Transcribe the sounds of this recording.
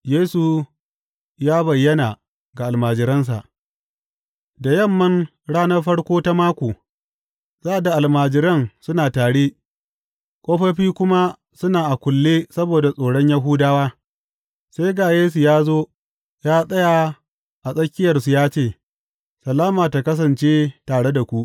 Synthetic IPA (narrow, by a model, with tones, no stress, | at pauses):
jeː˦su˨ | jaː˦bɐ˨jːɐ˦na˨ | ɡa˨ʔa˨lmaː˨d͡ʒɪ˨ɾɐ˦ns̬a̰˨ʔ | da˨jɐ˦mːɐ˦n | ɽaː˦nɐ˦rɸɐ˦ɽkʷoː˦ta˦maː˦kʷoː˨ | zaː˦ʔa˨da˨ʔa˨lmaː˨d͡ʒɪ˨ɾɐ˦nsʊ˦naː˨taː˨ɽeː˦ | kʷʼoː˦ɸɐ˦ɸiː˦kʷʊ˦ma˦ | sʊ˦naː˨ʔa˨kʷʊ˨lːeː˦sɐ˦boː˨da˨sʼoː˨ɽɔ˦ɲja˦ɦuː˦daː˦waː˦ | se˦jɡaː˨jeː˦s̬u˨jaː˦zoː˦ | jaː˦sʼɐ˦ja˨ | ʔa˨sʼɐ˦kʲɪ˦jɐ˨rsu˨jaː˦t͡ʃeː˦˨ | sɐ˨laː˦maː˨ta˨kɐ˦s̬ɐ˨nt͡ʃeː˦taː˨ɽe˦da˨kʷu˦ʔ